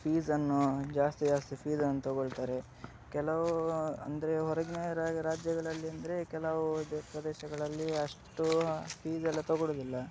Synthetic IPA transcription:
pʰiːzɐnːud͡ʒaːst̪id͡ʒaːst̪ipʰiːzɐnːut̪ɔɡoɭt̪aːɾe̞ | kɛlɐʋuɐnd̪ɐɾe̞ɦɔɾɐɡnejɐɾaːɡiɾaːd͡ʒjɐɡɐɭɐlːiɐnd̪ɐɾe̞kɛlɐʋupɾɐd̪eːʃɐɡɐɭɐlːiɐʂʈupʰiːzɐlːɐt̪ɔɡoɽoːd̪ilːɐ

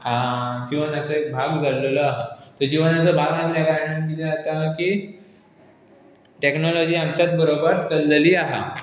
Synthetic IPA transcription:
akĩʋənjasəek̚bʱaɡd͡zʱalːələaɦat̪əɾd͡ʑiʋənjasəbʱaɡmaɡ̪laɡanə̃nkid̪ʱeat̪aki | ʈeknolɔd͡ʑiːamt͡ɕat̪̚bəɾobəɾt͡səlːliːaɦa̰

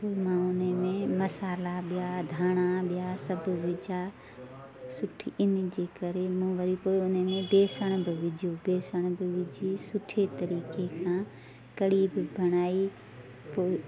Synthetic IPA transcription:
poːimãʊnemẽmɐsaːlaɓɪjad̪ʱaːɽ̃aɓɪjasɐbʱʋɪd͡ʒa | sʊʈʰiɪnd͡ʒeːkəɾemũːʋəɾipoːiʊnemẽbeːsəɽ̃bɪʋɪd͡ʒʱjobeːsəɽ̃bɪʋɪd͡ʒʱisʊʈʰet̪ɐɾiːkekʰãː | kɐɽiːbbʱɐɽ̃aːi | poːɪ

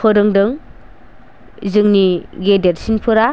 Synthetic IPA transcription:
pʰɯɾɯŋdɯŋ | zɯŋniɡedeɾsinpʰɯɾa

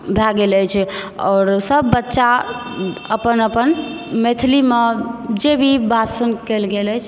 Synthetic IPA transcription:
bʱaɡeləjt͡ʃʰɔ̰ːɾsəbːətːʃa | əpənəpən | met̪ʰilimed͡ʒebʱibʱasənkɛlɡelət͡ʃʰ

